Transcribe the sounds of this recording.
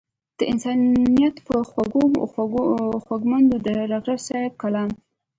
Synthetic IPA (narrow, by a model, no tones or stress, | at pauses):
d̪̥əʔɪnsɑnijat̪pəxaɡo | xwaɡmand̪od̪əɾɑɣʒasɑjb̚kalɑn